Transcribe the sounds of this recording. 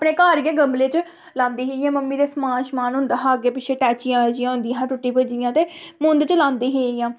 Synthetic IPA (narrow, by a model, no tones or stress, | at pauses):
pneːkaːɾiẽːɡəmleːt͡ʃ | lãːnd̪iːɦeːɪjãːməmːiːɾeːsmãːʃmaːnɦʊ̃nd̪aːɦaːɡeːpɪt͡ʃʰeːʈɛːt͡ʃɪjãːəd͡ʒɪjãːɦʊ̃nd̪ijããːʈʊʈːiːpəd͡ʒijãːt̪eːmʊ̃nd̪t͡ʃlãːnd̪iːɦeːijãː